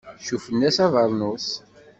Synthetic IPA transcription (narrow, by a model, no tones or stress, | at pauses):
ʃufənːæsɑvɑɾˤnus